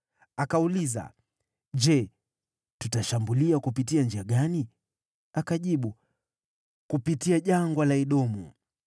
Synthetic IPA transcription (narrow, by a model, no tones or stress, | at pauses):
akauliza̰ | d͡ʒɛ | tutaʃambuliakupitiand͡ʒiaɠani | akaʄiɓu | kupitiaʄaŋɡwalaɛɗɔmu